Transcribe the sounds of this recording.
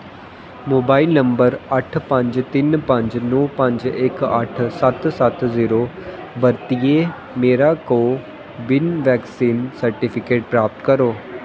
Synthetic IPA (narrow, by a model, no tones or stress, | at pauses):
moːbaːilnəmbəɾəʈʰpə̃ɲd͡ʒt̪ɪnpə̃ɲd͡ʒnɔːpə̃ɲd͡ʒɪkə̰ʈʰsət̪sət̪ziːɾoː | bəɾt̪ieː | meːɾaːkoː | bɪnʋɛːksiːnsəɾʈipʰɪkeːʈ̚pɾaːp̚t̪kəɾoː